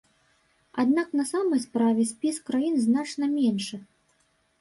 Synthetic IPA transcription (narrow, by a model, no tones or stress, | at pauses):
a̰d̪naknɐsamɐjspɾavʲɛsʲpʲiskɾajinznat͡ʂnɐmʲɛnʂɨ